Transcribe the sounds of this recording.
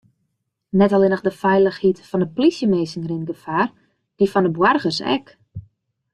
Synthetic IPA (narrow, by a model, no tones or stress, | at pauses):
nɛtɔlˠɪnəxdəfɛjləxhitfɔndəplisjəmeːsɪŋrinɡəfaːr | d̥ifɔndəbwarɣərsɛ̰k